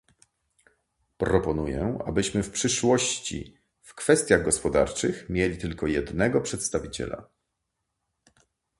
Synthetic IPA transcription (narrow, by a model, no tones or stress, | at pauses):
pɾɔpɔnujɛ̰a̰bɘɕmɘfpʂɘʂwɔɕt͡ɕḭ | fkfɛst̪ʲjaɣɡɔspɔd̪a̰ɾt͡ʂɘxmʲjelʲit̪ɘlkɔjɛd̪nɛɡɔpʂɛt̪st̪avʲit͡ɕɛ̰la̰